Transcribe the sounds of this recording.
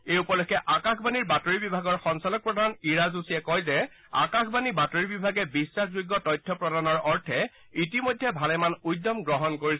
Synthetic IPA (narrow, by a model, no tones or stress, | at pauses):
eupɔlɔkʰːɛʔakaxbaniɹbatoɹibibʱaɡɔɹxɔnsalɔk̚pɹɔdʱaniɹazusiɛkɔjzɛ | a̰kaxbanibatoɹibibʱaɡɛbisːaxzuɡːɔtɔjtʰːɔpɹɔdanɔɹɔɹtʰɛ | itimojdʱːɛbʱalɛmanujdɔmɡɹɔɦɔnkoɹis